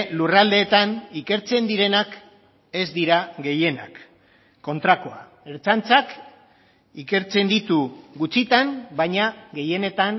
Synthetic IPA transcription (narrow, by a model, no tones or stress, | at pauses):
lurald̪e̞ːt̪anike̞ɾt͡se̞nd̪iɾe̞nak | e̞zd̪iɾaɣe̞je̞na̰kː | o̞nt̪ɾako̞a | eɾt͡sant͡sak | ike̞ɾt͡se̞nd̪it̪uɣut͡sit̪anbaɲaɣe̞je̞ne̞t̪an